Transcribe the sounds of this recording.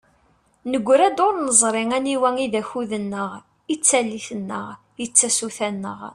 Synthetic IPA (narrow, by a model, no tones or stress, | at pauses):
nəɡʷːɾæd̪oɾnəzˤɾˤɪŋæniwæŋiðæçuðənːəʁ | it͡sːælːiθənːə̰ʁ | ət͡sːæsuθænːə̰ʁ